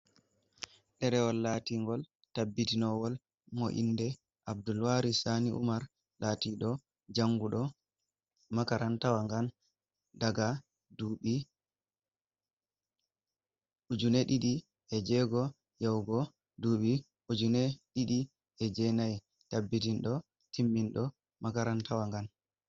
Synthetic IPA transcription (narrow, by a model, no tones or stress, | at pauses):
ɗɛɾɛwɔlːaːtiŋɡɔl | tabːitinɔwɔl | mɔ̰ʔḭndɛ | ʔabdulwaɾisaniʔṵmaɾ | laːtiɗɔ | d͡ʒaŋɡuɗɔ | makaɾantawaŋɡan | daɡa | dui | ud͡ʒunɛɗiɗi | ɛd͡ʒɛɡɔ | jawɡɔ | duɓi | ud͡ʒunɛɗiɗi | ɛd͡ʒɛnaj | tabːitinɗɔ | tʰimːinɗɔ | makaɾantawaŋɡan